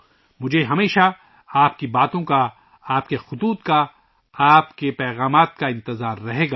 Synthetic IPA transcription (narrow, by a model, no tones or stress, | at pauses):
mʊd͡ʒʱeɦɐmeːʃa | aːp̚kibaːt̪õka | aːpkexʊt̪uːt̪ka | aːpkepɛːɣaːmaːt̪̚kaɪ̃nt̪ɪzaːɾːɐɦeːɡaː